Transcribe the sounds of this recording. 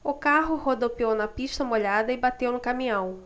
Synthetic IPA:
ʊkaɦʊhod̪opiownɐpist̪ɐmoʎad̪ɐɪbat̪ewnʊkamĩɐ̃w̃

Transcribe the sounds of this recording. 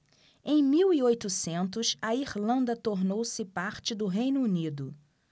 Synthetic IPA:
ẽj̃miwiojt̪ʊsẽnt̪ʊʃɐiɾlɐ̃nd̪ɐt̪oɾnowsɪpaɾt͡ʃɪd̪ʊɦej̃nʊunid̪ʊ

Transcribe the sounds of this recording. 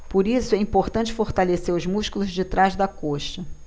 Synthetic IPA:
poɾisʊɛĩmpoχt̪ɐ̃nt͡ʃɪ̥foɾt̪aleseɾʊzmuʃkulˠʊzd͡ʒɪt̪ɾazd̪ɐkoʃɐ

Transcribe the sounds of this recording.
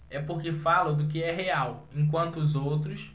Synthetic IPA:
ɛpoɾkɪfalʊd̪ʊk̬ɪɛɦeawẽk̬wɐ̃nt̪ʊːzowt̪ɾʊs

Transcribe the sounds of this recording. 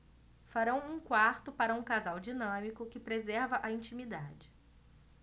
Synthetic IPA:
faɾɐ̃w̃ũkwaɾt̪ʊpaɾɐũkazawd͡ʒinɐ̃mikʊkɪpɾezɛɾvɐʔɐĩnt͡ʃimid̪ad͡ʒɪ

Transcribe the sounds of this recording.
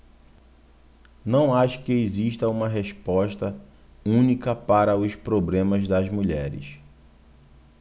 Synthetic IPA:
nɐ̃w̃aʃʊ̥kɪeziʃt̪ɐũmɐɦeʃpɔʃt̪ɐ | ũnikɐpaɾɐʊspɾoblẽmɐzd̪ɐzmuʎɛɾɪ̰s

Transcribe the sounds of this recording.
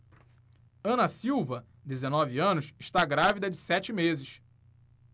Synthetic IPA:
ɐ̃nɐsiwvɐ | d̪ezenɔviɐ̃nʊsɪʃt̪aɡɾavid̪ɐd͡ʒɪsɛt͡ʃɪmezɪʃ

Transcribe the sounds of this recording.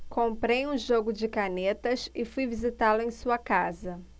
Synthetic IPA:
kõmpɾejũʒoɡʊd͡ʒɪkanet̪ɐsɪfujvizit̪alʊẽj̃suɐkazɐ

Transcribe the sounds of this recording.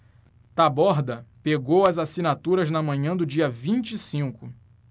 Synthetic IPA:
t̪abɔɾd̪ɐpeɡowɐzasinat̪uɾɐznɐmɐ̃ɲɐ̃d̪ʊd͡ʒiɐvĩnt͡ʃisĩkʊ

